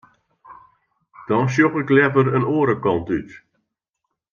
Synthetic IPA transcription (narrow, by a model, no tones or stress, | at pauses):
d̥ɔns̬joɣɪklɛvəɾənoːəɾəkɔntyt